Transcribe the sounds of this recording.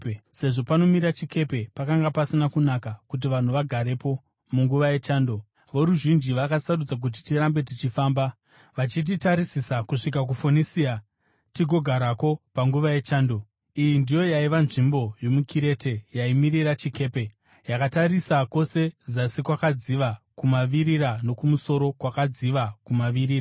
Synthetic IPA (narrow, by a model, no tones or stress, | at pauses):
se̞ʐo̞pano̞mirat͡ʃikʰe̞pe̞pakaŋɡapasinakunakakut̬iʋan̤uʋaɡʱaɾe̞po̞ | muŋɡuʋaje̞t͡ʃaːndo̞ | ʋo̞ɾuʒind͡ʒiʋakasarud͡zak̬ut̬i̥tiɾambe̞tit͡ʃifaːmba | ʋat͡ʃit̬itaɾisisakuʂik̬ak̬ufonisia | tiɡʱo̞ɡʱaɾako̞paŋɡuʋaje̞t͡ʃaːndo̞ | ijindijo̞jaiʋanʐimbo̞jo̞mukʰiɾe̞te̞jaimiriɾat͡ʃike̞ːpe̞ | jakataɾisako̞se̞d͡zasikwakad͡ziʋa | kumaʋiɾiɾano̞kumuso̞ɾo̞kwakad͡ziʋakumaʋiɾiːra